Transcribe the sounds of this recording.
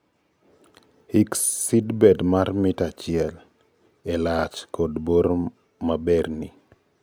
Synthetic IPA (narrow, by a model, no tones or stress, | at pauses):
hiksːidbɛdmarmɪtat͡ʃɪɛl | ɛlat͡ʃkɔdboɾ | mabɛrni